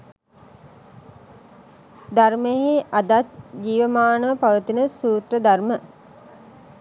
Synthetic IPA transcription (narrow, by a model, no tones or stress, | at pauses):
d̪armeɦeʔad̪at̪̚d͡ʒiːʋəmaːnəʋpaʋət̪inəsuːt̪rəd̪armə